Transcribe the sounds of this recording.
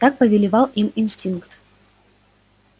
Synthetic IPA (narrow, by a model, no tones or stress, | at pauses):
t̪ak̚pəvʲɪlʲɪvɑlˠʔiminsʲtʲinkt̪